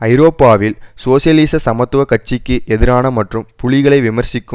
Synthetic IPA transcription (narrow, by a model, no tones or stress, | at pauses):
ɐɪɾoːpːaːʋɪlsoːsɪjɐliːsɐsɐmɐt̪ːɯʋɐkɐt͡ʃːɪkːɯʔɛðɪɾaːnɐmɐʈrɯmpʊɭɪɣɐɭɐɪʋɪmɐɾsɪkːɯ